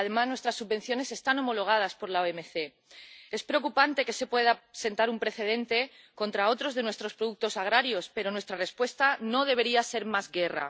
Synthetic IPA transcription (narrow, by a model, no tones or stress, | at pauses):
aðe̞maznwe̞st̪ɾasːuβbe̞n̟θjo̞ne̞se̞st̪ano̞mo̞lo̞ɣ̞að̞aspo̞ɾlaoeme̞θe̞ | e̞spɾeokupant̪e̞ke̞se̞pwe̞ðase̞nt̪aɾumpɾe̞θe̞ðe̞nt̪e̞ | ko̞nt̪ɾao̞t̪ɾo̞zðe̞nwe̞st̪ɾo̞spɾoðuk̚t̪o̞saɣ̞ɾaɾjo̞spe̞ɾo̞nwe̞st̪ɾarespwe̞st̪ano̞ð̞e̞βe̞ɾiase̞ɾmazɣe̞ra̰